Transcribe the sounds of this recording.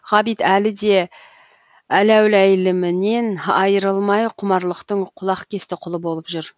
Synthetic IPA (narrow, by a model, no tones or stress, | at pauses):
ʁɑbijt̪ælɪd̪e̞ | ælæwɪlæjlɪmɪne̞nɑjəɾəlˠmɑjqʰʊmɑɾlˠəqt̪əɴqʰʊlˠɑqkʲʰe̞st̪ɪqʰʊlˠəbo̞lˠəpʒʏɾ